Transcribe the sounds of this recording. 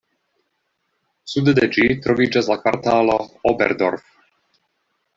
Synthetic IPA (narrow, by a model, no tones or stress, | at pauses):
sud̪ɛd̪ɛd͡ʒit̪r̩ʋiːt͡ʃazlakʋaɾt̪aːlɔɔbɛ̰ɾd̪ɔ̰ɾf